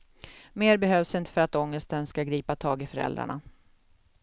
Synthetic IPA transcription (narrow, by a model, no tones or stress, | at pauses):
meːɾbɛɦøːvsɪnt̪ə̥fœɾat̪ɔŋːəst̪ənskaɡɾiːpat̪ʰɑːɡɪfœɾɛ̰ld̪ɾa̰ɳa̰